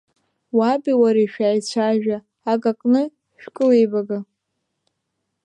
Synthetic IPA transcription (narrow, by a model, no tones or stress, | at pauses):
wabiwaɾiʃᶣaːjt͡ɕʷʰaʒᶣaː | kʼakʼnɨ | ʃᶣkʼɨlejbaɡa